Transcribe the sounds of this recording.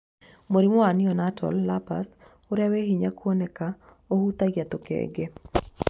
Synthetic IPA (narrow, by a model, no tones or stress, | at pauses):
moɾimoanɪɔnatʰɔ̰lːapa̰s | oɾaweɦiɲakwɔnɛka | ohut̪aɡjat̪okḛɡe